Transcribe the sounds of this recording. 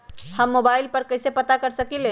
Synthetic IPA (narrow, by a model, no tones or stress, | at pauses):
həmːobailpəɾkəjsepət̪akəɾsəkile